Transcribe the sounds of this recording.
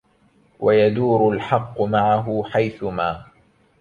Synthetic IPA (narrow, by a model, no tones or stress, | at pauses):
wajad̪uːɾʊlħɑqːʊmaʕaɦʊħajθʊmaː